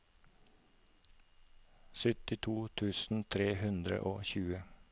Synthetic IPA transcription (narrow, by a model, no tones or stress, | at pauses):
sʏt̪ɪt̪ʰuːt̪ʰʉːsn̩t̪ʰɾeːhʉnd̪ɾə̰ʔo̰ːçʉːə